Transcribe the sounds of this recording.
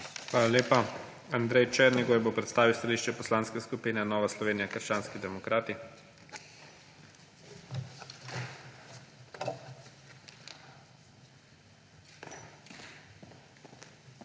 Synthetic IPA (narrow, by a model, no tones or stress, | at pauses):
xʋalaleːpa | and̪ɾɛjt͡ʃɛɾniɡojɛbopɾɛt̪st̪aːʋiwst̪aliʃt͡ʃɛpɔslaːnskɛskupiːnɛnɔːʋaslɔʋeːnijakəɾʃt͡ʃaːnskid̪ɛmɔkɾʔaːt̪i